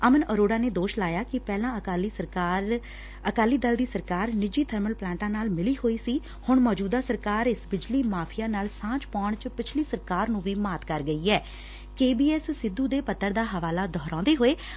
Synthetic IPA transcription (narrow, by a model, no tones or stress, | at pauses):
əmənəɾoːɖaːneːd̪oːʃlaːjaːkɪpɛːlãːəlː | əkaːliːd̪əld̪iːsəɾkaːɾnɪd͡ʒiːt̪ʰəɾməlplãːʈãːnaːlmɪliːɦoːiːsiː | hʊɳmɔːd͡ʒuːd̪aːsəɾkaːɾɪsbɪd͡ʒliːmaːpʰɪjãːnaːlsãːt͡ʃpaːɳt͡ʃpɪt͡ʃʰliːsəɾkaːɾnũːʋiːmaːt̪kəɾɡəiːɛː | keːbiːɛːssɪd̪ːuːd̪eːpət̪ːəɾd̪aːɦəʋaːlaːd̪ʱɔːɾɔ̃ːd̪eːɦoːeː